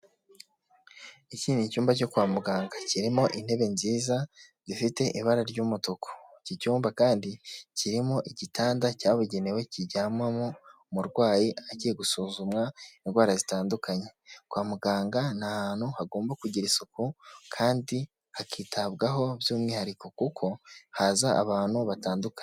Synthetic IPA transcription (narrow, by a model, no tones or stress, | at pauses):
iciːnicuːmbaco̞kwaːmuɡaːŋɡaciɾimo̞ʔin̥he̞βe̞nziːza | zifite̞ʔiβaɾaɾɟumutokʰo̥cicuːmbakaːndiciɾimo̞ʔiɟitaːndacaːβuɟe̞newe̞ciɟaːmwamo | muɾɡwaːjiacijeɡusuːzumwaenɡwaːɾazitaːndukʰaɲe̞kwaːmuɡaːŋɡanahaːn̥huhaɡo̞ːmbakuɟiɾisukukʰaːndi | hakiːtʰaβɡaɦo̞βjuːmŋwiːhaɾiko̞kukʰo̞hazaʔːβaːn̥huβataːnduka